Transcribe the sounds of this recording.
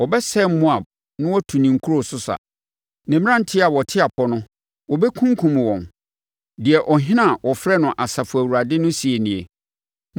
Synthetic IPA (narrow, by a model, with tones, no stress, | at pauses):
wɔ˨bɛ˦sɛ˦˨m̩˦mʊ̃˦a˨ | nʊ̃˦wɔ˦tʰu˨nĩ˨ŋ̩˨kʰu˦ɾo˦sʊ˦sa̰˨ | nɪ̃˨m˦ã˦n˦tʰɪ˦a˨wɔ˨tʰɪ˦a˨pʰɔ˦nʊ̃˦ | wɔ˨bɛ˦kʰũ˦ŋ˦kʰũ˨m˨wɔ̃˨n | dɪ˨ɛ˨ʔɔ˨ɦɪ̃˦nã˦˨wʔɔ˨fɾɛ˦nʊ̃˨ʔa˨sa˨fʊ˨æ˨wu˨ɾa˨dɪ˦nʊ̃˦si˨e˨nɪ̃˨e˨